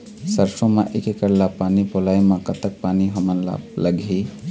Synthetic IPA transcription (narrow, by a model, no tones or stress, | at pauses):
səɾsõmãʔekekəɾlapanipolajmãkət̪ək̚paniɦɔmənla̰ləɡʱi